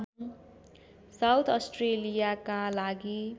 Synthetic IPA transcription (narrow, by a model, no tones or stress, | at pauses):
ɦ | sawt̪ʰʌsʈrelijakalaɡi